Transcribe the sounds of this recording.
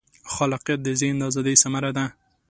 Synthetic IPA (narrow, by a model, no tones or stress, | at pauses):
xɑlɪqjat̪̚d̪əzend̪ɑzɑd̪ejsamaɾad̪a